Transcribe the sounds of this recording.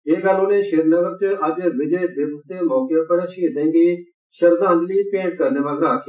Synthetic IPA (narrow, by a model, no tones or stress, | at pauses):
eːɡaːlõːnẽːʃeːɾnəɡəɾt͡ʃɐd͡ʒʋɪd͡ʒeːb̪ɪʋst̪emɔːkeokəɽaʃiːd̪ɛ̃ːŋɡi | ʃɐɾd̪ãːnd͡ʒliːpẽːɳʈ̚kɐɾneːʋaːɡɾãːkʰj